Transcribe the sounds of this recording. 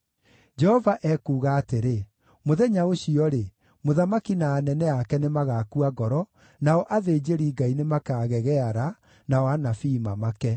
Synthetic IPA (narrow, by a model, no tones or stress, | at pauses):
d͡ʒɛhɔvaʔɛkuːɣaːteɾe | moðɛɲaoɕiɔɾe | moðamakinaːnɛnɛakɛnemaɣakuaɡɔɾɔ | naɔʔaðeːd͡ʑeɾiɡainemakaːɣɛɣɛaɾa | nawanafiːmamakɛ